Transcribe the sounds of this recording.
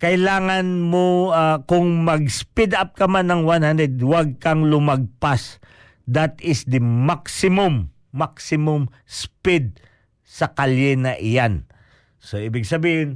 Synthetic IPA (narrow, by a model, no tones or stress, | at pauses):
kɐɪlaːŋɐnmoakʊŋmɐɡspid̪ap̚kɐmanɐŋwanhand̪ɛd̪waɡ̚kɐŋlʊmɐɡ̚pas | d̪at̪ɪsd̪ɐmaksɪmʊmː | aksɪmʊm | spid̪̚ | sɐkaljɛnɐʔɪjan | soʔibɪɡsɐbiːhɪn